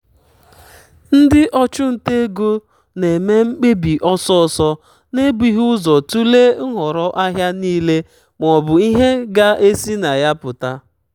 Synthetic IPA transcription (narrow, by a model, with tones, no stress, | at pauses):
n̩˦dɪ˦ʔɔ˦t͡ʃʊ˦n̩˨te˦ɡo˦ | ne˨me˦ŋ͡m̩˦k͡pe˦bi˨ʔɔ˦sɔ˦˨sɔ˦ | ne˦bi˦ɦu˦zɔ˨tu˦le˦ŋ̩˦ɦɔ˨ɾɔ˦ʔa˦ɦja˦niː˦le˦ | m˨ɔ˨bʊ˨i˦ɦe˦ɡa˦ʔe˦si˦na˨ja˦pʊ˨ta˦